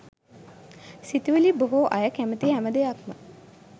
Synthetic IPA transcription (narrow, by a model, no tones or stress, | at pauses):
sit̪iʋəliboɦoʔajəkæmət̪iɦæməd̪ejakmə